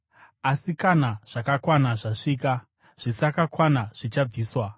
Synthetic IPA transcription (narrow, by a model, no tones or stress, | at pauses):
asikanaʐ̥akakwanaʐaʂiːka | ʐ̥isakakwanaʐ̥it͡ʃab͡viːswa